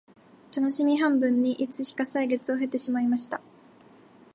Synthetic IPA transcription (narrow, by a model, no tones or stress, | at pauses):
t̪ano̞ɕimʲiɦãmbɯ̟̃ɲ̟ːiʔit͡sɨɕi̥kasaiɡe̞t͡sɨo̞ɦe̞t̪ːe̞ɕimaimaɕi̥t̪a